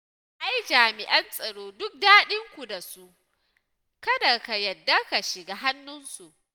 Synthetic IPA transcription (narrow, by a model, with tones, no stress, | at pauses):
ʔa˦jd͡ʒaː˨mɪ˨ʔɐ˦nsʼɐ˨ɽoː˦dʊ˦k̚daː˦ɗɪ˦ŋkʷu˨da˨su˦ʔ | kɐ˦da˨ka˨jɐ˨dːa˦ka˨ʃɪ˨ɡaː˦ɦa˦nːʊ˦nsu˨ʔ